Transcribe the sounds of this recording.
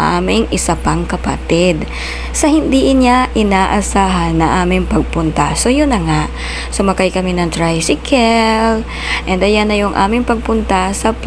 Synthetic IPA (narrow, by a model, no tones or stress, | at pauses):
ʔa̰ːmɪŋʔɪsɐpɐŋkɐpɐ̰t̪ɪd̪ | sɐhɪnd̪iːʔɪnɲaʔɪnaːʔɐsaːɦɐnːɐŋʔaːmɪŋpɐɡ̚pʊnt̪asojʊnːɐŋaʔ | somɐkajkɐminɐŋt̪ɾajsɪkʰɛl | ʔɛnd̪ɐjanːɐjʊŋʔa̰ːmɪŋpɐɡ̚pʊnt̪ɐsɐp